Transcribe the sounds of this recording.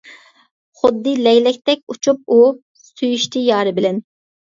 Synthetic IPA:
χʊd̪ːɨlɛjlɛk̚ʲt̪ɛk̚ʲut͡ʃʰup̚u | syjyʃt̪ʰɪjɑːɾɨbɪlɛn

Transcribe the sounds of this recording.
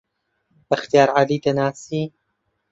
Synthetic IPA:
bɐxt̪ijaːɾʕaliːt̪ɐnaːsiː

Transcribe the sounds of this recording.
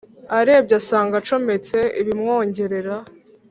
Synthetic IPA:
aɾe̞b̚ɟasaːŋɡat͡ʃo̞me̞t͡se̞iβimŋo̞ːɲɟe̞ɾe̞ɾa

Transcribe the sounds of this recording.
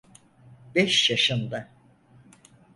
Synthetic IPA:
bɛʃjaʃɯnd̪a

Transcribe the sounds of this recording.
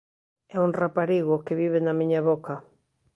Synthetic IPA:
ɛuŋrapaɾiɣʊkeβiβenamĩɲaβoka

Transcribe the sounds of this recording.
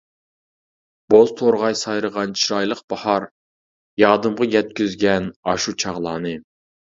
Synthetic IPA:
b̥ozt̪ʰoɾʁɑjsɑjɾəʁɑnt͡ʃʰiɾɑjlˠəqb̥ɑhɑɾ | jɑːd̪ɨmʁɑjʲɛt̪̚kʲyzɡʲɛnɑʃut͡ʃʰɑʁlˠɑːnɨ

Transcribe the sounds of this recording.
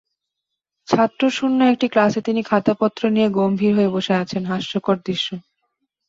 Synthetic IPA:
t͡ɕʰat̪ːɾoʃunːaek̚ʈiklaset̪inikʰat̪opɔt̪ːɾonijeɡombʱiɾɦoeboʃeat͡ɕʰenɦaʃːokoɾd̪ɾiʃːo

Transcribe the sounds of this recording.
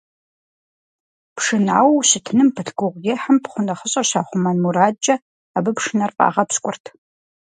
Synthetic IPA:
pʂɨna̰ːwɕɨtʰɨnɨmpʰɨɬɡʊʁʷjeħampχʷʊnɐχəɕʼɐɕaːχʷʊmɐnmuɾaːd͡ʒɐ | abɨpʂɨnɐrfʼa̰ːʁɐpskʷʼʊrtʰ

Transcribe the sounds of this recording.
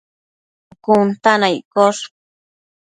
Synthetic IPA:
kunt̪anajkoʂ

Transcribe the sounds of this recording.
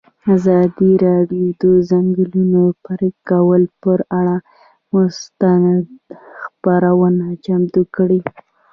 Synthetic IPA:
azɑd̪iɾɑɖjod̪əzaŋɡəlunopaɾikawəlpəɾaɽa | most̪and̪xpaɾawənat͡ʃamd̪ukɽi

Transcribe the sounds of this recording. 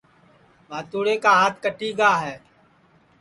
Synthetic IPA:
ʋaːt̪uːɽeːkaːɦaːt̪̚ʰkəʈiːɡaːɦɛː

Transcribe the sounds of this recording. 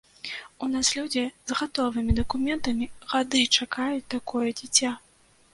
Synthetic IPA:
unaslʲud͡zʲizɣat̪ɔvɨmʲid̪ɐkumʲɛnt̪ɐmʲiɣad̪ɨt͡ʂakajut͡sʲt̪akɔjɛd͡zʲit͡sʲa

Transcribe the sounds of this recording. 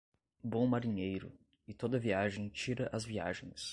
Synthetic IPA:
bõmaɾiɲejɾʊ̰ | ɪt̪od̪ɐviaʒẽj̃t͡ʃiɾɐʔɐzvia̰ʒẽj̃s

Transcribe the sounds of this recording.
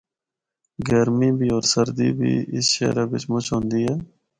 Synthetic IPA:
ɡəɾmiːbʱiːɔːɾsəɾd̪ḭːbʱḭːɪ̰sʃḛːɾaːbɪt͡ʃmʊt͡ʃʰɦõːnd̪iːɦɛː

